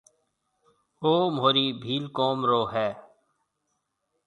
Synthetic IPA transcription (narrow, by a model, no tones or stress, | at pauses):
oːmɦoːɾiːbʱiːlkoːmɾoːɦɛː